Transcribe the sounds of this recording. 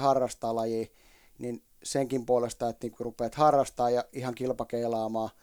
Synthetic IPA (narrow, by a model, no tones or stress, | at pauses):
hɑrːɑst̪ɑːlɑjiː | nin | seŋkimpuolest̪ɑˑet̪niːŋkurupeːt̪hɑrːɑst̪ɑːjɑihɑŋkilpɑkeilɑːmɑː